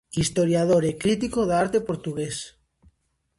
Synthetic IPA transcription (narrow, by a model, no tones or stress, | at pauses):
ist̪oɾjað̞oɾekɾit̪̬ikoðaɾt̪epoɾt̪uɣes